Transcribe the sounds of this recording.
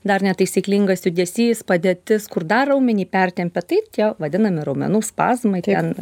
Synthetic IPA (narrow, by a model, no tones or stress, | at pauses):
d̪ɐrnʲɛt̪ɐɪsʲiːklʲɪŋɡɐsjʊd̪ʲɛsʲiːspɐd̪ʲeːt̪ʲɪskʊrd̪ɐrɐʊmʲɛnʲiːpʲɛrʲt̪ʲɛmʲpʲɛt̪ɐɪt̪ʲiɛʋɐd̪ʲɪnɐmʲɪɾɐʊmʲɛ̰nuːspɑ̰ːzmɐɪtɛn